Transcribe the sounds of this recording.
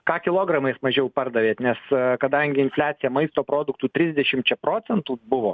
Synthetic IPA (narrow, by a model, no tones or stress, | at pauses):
kɑːkʲɪlˠoːɡɾɐmɐɪsmɐʒʲɛʊpɐrd̪ɐʋʲeːt̪nʲɛskɐd̪ɐŋʲɡʲɪɪnfʲlʲæːt̪sʲɪjɛmɐɪst̪oːpɾoːd̪ʊkt̪uːt̪ʲɾʲɪzʲd̪ʲɛʃʲɪmt͡ʃʲɛpɾoːtsʲɛnt̪uːbʊʋoː